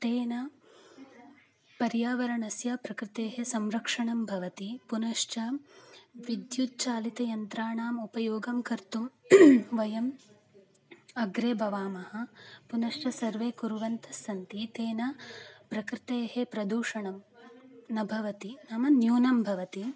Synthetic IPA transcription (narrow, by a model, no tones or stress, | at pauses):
t̪eːnɐ | pɐɾjaːʋɐɾɐɳɐsjapɾɐkɾɪt̪eːɦesɐmɾɐkʂɐɳɐmbʱɐʋɐt̪ipunɐʂt͡ʃɐ | ʋid̪jut̪̚t͡ʃaːlit̪ɐjɐnt̪ɾaːɳaːmupɐjoːɡɐmkɐɾt̪umʋɐjɐm | ɐɡɾeːbʱɐʋaːmɐhɐpunɐʂt͡ʃɐsɐɾʋeːkuɾuʋɐnt̪ʰɐsːɐnt̪it̪eːnɐpɾɐkɾɪt̪eːɦepɾɐd̪uːʂɐɳɐm | nɐbʱɐʋɐt̪inɐmɐnjuːnɐmbʱɐʋɐt̪i